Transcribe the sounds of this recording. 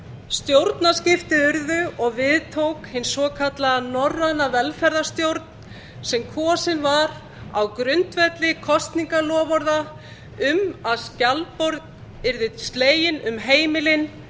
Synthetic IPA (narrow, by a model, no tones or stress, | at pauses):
st̪jowɾt̪nascɪft̪ɪʏɾðʏɔɣvɪðt̪ʰowkhɪnsvɔːkʰat̪lanɔrːanavɛlfɛɾðast̪jowɾt̪n̥ | sɛmkʰɔːsɪnvaɾ | a̰wkɾʏnt̪vɛt̪lɪkʰɔst̪niŋkalɔːvɔɾða | ʏmaðscalpɔɾð | ɪɾðɪst̪leːjɪnʏmɦeːjmɪlɪn